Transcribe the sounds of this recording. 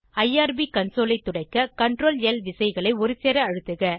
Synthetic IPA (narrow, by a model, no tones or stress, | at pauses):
ɐɪaːɾbikɐnsoːlɐɪt̪ːʊɽɐɪkːɐkɐɳɖɾoːlɛlʋɪsɐɪɣɐɭɐɪɔɾɯsɛːɾɐɐɻɯt̪ːɯɣɐ